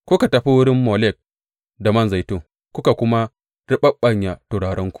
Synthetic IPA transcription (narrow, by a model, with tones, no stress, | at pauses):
kʷʊ˦ka˨tɐ˨ɸi˦wʊ˦ɽɪ˦mːoː˨lɛ˦˨k̚ | da˨mɐ˦nza˨jtoː˦˨ | kʷʊ˦ka˨kʷʊ˦ma˦ | ɽɪ˦ɓɐ˦ɓɐ˦ɲja˨to˨ɽaː˨ɾɐ˦ŋkʷu̥˨